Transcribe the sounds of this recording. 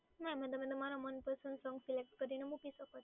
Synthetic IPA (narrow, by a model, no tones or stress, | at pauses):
mɛ̃mə̃d̪əmə̃d̪əmaɾamənpəɾsənsɔ̃ŋɡsilek̚ʈkəɾinemupisəkət̪